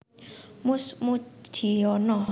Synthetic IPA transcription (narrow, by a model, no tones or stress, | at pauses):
musmut̪ʰiɔnɔ